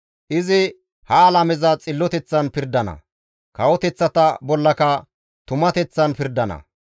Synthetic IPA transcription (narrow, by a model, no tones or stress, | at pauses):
ʔɪzɪ | hɐːlɐmɛzɐt͡sʼɪlːɔt̪ɛt͡sːɐnpɪɾd̪ɐnɐ̰ | kɐwɔt̪ɛt͡sːɐt̪ɐbɔlːɐkɐ | t̪ʊmɐt̪ɛt͡sːɐnpɪɾd̪ɐnɐ̰